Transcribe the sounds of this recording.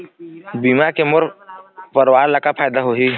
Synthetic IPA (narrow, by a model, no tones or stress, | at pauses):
biːmakemʊɾpəɾwaːɾləkapʰaːjd̪aɦoːɦiː